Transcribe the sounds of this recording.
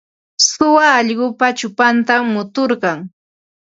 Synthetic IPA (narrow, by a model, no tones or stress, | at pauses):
sʊwaːʎɢʊpat͡ʃʊpant̪amːʊt̪oɾɢɑŋ